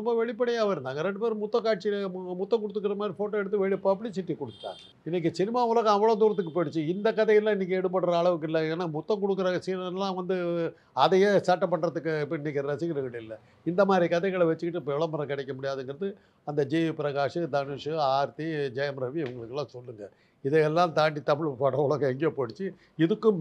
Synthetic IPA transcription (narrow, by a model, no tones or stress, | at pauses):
ɾɔmbɐʋɛɭɪp̬ːɐɽɐjaːʋɐɪɾɯnd̪aːŋɡɐɾɛɳɖɯpeːɾmʊt̪ːɐ̃kaːʈ̚t͡ʃimʊt̪ːɐ̃ŋkɔɽɯt̪ːɯkːɪɾɐmaːd̪ɾifoːʈːoːɛɽɯt̪ːɯʋɛɭɪpːaːp̬ɽisɪʈːikːɔɽɯt̪ːa̰ː | ɪnːɛk̬ːɯsɪnɪmaːʊlɐɣɐ̃ɐʋːɐɭoːd̪uːɾɐt̪ːɯkːɯpoɽɯt͡ʃːɯɪnd̪ɐkɐðɐjɐllːãːɪnːɛk̬ʲːɯɛɽɯp̬ːɐɳːɾɐːɭɐʋɯk̬ːɯɪlːɐeːnːaːmʊt̪ːɐ̃kɔɽɯkːɯɾɐsɪɐlːãːʋɐnd̪ɯ | ɐðɐjeːsɐʈːɐpːɐɳːɾɐðɯkːɯɪpːɐɪnːɛkːɪɾɐsɪkːɐɾɯʋɐʈːɯɪlːɐ | ɪnd̪ɐmaːd̪ɾikɐðɐɪɣɐɭɐʋɐt͡ʃːɯkɪʈːɯpːɛɭɐmɐɾɐ̃kɪɽɛkʲːɐmʊɽɪjaːðɛŋɡɪɾɐðɯ | ɐnd̪ɐd͡ʒipɪɾɐɣaːʂɯd̪ɐnɪʂɯaːɾt̪id͡ʒɐjɐmɾɐʋiɛʋɐŋɡɐɭɯkːɛlːãːsɔlːɯŋɡɐ | ɪðɛjɛlːãːt̪aːʈ̬ːit̪ɐmɪɭfɐʈːɐʊlɐɣɐ̃ɛŋɡɛjopoːɽɯt͡ʃːɯ | ɪðɯkːɯm